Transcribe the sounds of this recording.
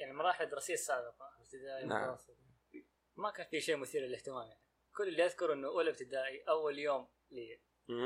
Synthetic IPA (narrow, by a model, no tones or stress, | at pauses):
jaʕnimɑɾˤɑːħɪlad̪ɾˤɑsijːsːaːbɪqɑɪb̚t̪ɪd̪aːʔimʊt̪a̰wɑsˤːɨt | makaːnfiʃeːmʊθiːɾlɪlɪht̪ɪmaːmjaʕni | kʊlːɪlːiʔaðkʊɾʔɪnːʊʔuːlɪbt̪ɪd̪aːʔiʔawːaljoːm | liː